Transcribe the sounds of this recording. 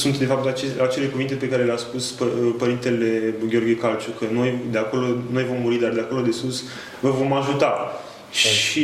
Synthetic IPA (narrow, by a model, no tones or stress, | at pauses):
sunt̪d̪e̞fap̚t̪at͡ʃeat͡ʃe̞le̞kuvint̪e̞pe̞kaɾe̞leaspuspəpəɾint̪e̞le̞ɡʲeo̞rɡʲjekalt͡ʃukəno̞jd̪eako̞lo̞no̞jvo̞mːuɾid̪ard̪eakolod̪e̞sus | vəvo̞maʒut̪a | ʃi